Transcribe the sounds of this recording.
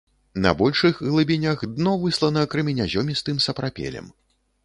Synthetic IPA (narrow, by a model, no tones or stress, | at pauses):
nɐ̰bɔlʲʂɨxɣlˠɨbʲinʲaɣd̪nɔvɨslˠɐnɐkɾɨmʲinʲazʲɔmʲist̪ɨmsɐpɾapʲɛ̰lʲɛ̰m